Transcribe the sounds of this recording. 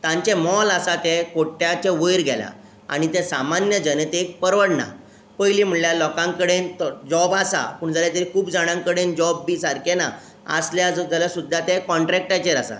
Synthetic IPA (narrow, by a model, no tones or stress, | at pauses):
t̪ãɲt͡ɕemɔlasat̪ekoʈːjat͡ɕeʋəjɾɡʱɛlja̰ | a̰ɽ̃it̪ẽsamanjəd͡ʑənət̪ek̚pəɾʋəɽna̰ | pəjliːm̤əɭljalɔkãŋkəɽent̪ɔd͡ʑɔbasa̰puːɳd͡zaljat̪eɾikʰuːpd͡zaɽ̃ãŋkəɽend͡ʑɔbːiːsaɾkena̰ | ə̰sljad͡zd͡zaljasud̪ʱːat̪ekɔɳʈɾɛk̚ʈat͡ɕeɾasa̰